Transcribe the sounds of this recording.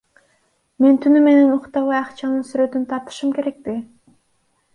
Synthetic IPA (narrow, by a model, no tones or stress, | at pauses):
me̞nt̪ʰynyme̞nenuqt̪ɑwɑjɑqt͡ʃɑnɯnsyɾø̞t̪ynt̪ʰɑɾt̪ɯ̥ʃɯmkʲe̞ɾe̞k̚t̪ɪ